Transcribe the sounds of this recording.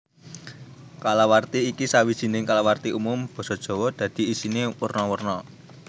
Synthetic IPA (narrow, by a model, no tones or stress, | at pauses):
kalawart̪iːkisawid̥ʒ̥i̤nɪŋkalawart̪iʔumʊmb̥ɔ̤sɔd̥ʒ̥ɔ̤wɔd̪̥ä̤d̪̥i̤isinewərnɔwərnɔ